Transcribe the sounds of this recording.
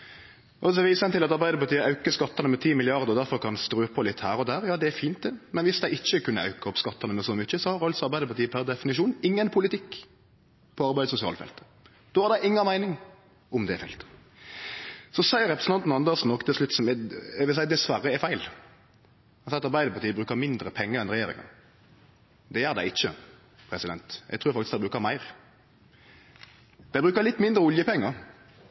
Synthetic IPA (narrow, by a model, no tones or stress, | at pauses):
ɔsɔʋiːsəɛnt̪ɪlɑt̪ɑɾbæɪd̪əɾpɑɾt̪iːəɑʉkəskɑt̪ːɑnəmɛt̪ʰiːmɪlɪɑʁd̪əɾɔd̪æɾfɔɾkʰɑnst̪ɾʉːpʰɔlɪt̪ːhæːɾɔd̪æːɾjɑːd̪ɛæɾfiːnt̪̚d̪ɛmɛnʋɪsd̪æɪɪt͡ʃːəkʉnːəɑ̰ʉkəɔpskɑt̪ːɑnəmɛsɔmʏçəsɔhɑɾɑlsɔɑɾbæɪd̪əpɑʁt̪iːəpʰæɾd̪ɛfɪnɪʃuːnɪŋːənpʰʊlɪt̪ʰɪkː | pʰɔɑɾbæɪd̪sʊsɪɑ̰ːləfɛ̰lt̪ə | d̪̥oːhɑɾd̪æɪʔɪŋːɑmæɪnɪŋ | ʊmd̪ɛɛfɛ̰lt̪ | sɔsæɪɾɛpɾəsn̩ɑnt̪n̩ɑnd̪ɛsn̩ɔkt̪ʰɪlslʉt̪ːsɔmɛɛɡʋɪlsæɪd̪ɛsʋɑɾəɛfæɪl | ɑsɛt̪ɑɾbæɪd̪əpɑt̪ʰiːbɾʉːkəmɪnd̪ɾəpʰɛŋːəɾɛnɾɛjeːɾɪ̰ŋə̰n | d̪ɛæːɾd̪æ̰ɪɪçːə | pʰɾɛsɪd̪ɛnt̪jɛ̰ɡ̚t̪ɾʉːɾfɑkt̪ɪsd̪æbɾʉːkəmæɪɾ | d̪̥æɪbɾʉːkəɾlɪt̪ːmɪnd̪ɾəʊljəpʰɛŋːəɾ